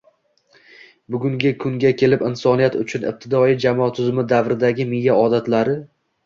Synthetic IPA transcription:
bʊɡʲʊŋɡʲɪkʰʊŋɡʲakʲʰe̞lɪpɪnsɒnijat̪ʊt͡ʃʰʊnɪ̰p̚t̪ʰɪd̪ɒɪd͡ʒamɒt̪ʰʊzmɪd̪avɾɪd̪aɡʲɪmɪjːaɒd̪at̪laɾɪ

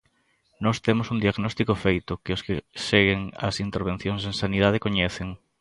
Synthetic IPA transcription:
nɔst̪emosund̪iaɣnɔst̪ikofejt̪ʊkɪoskɪseɣeŋɐ̰sint̪eɾβ̞en̟θjoŋsẽŋsaniðað̞ɪkoɲeθeŋ

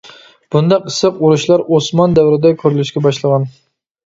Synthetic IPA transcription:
b̥und̪ɑqɨ̥sɨquɾuʃlˠɑɾosmɑnd̪æwɾɪd̪ɛkʲʰøɾylyʃkʲɡʲɛbɑʃlˠəʁɑn

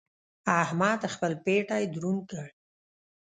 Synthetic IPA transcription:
ahmɑt̪axpəlpeʈajd̪ɾunkəɽ

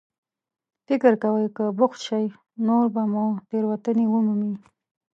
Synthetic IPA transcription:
fɪkɪɾkawəjkəbʊxt̪ʃaj | noɾbamut̪eɾwat̪ənewəmumi

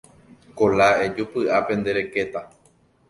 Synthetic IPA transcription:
kolaed͡ʒupɨʔapẽ̞nd̪e̞ɾe̞ke̞t̪a

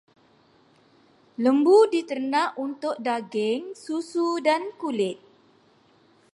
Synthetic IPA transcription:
ləmbudit̪ərnãʔunt̪ʊk̚daɡɪŋsusudankulɪt̪̚

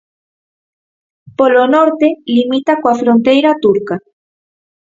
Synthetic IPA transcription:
polonoɾt̪elimit̪akwafɾont̪ejɾat̪uɾka

